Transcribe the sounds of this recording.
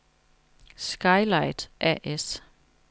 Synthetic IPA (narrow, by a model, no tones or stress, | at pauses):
sɡ̥ɑ̈ɪlɑ̈ɪd̥ʔæ̰ʔes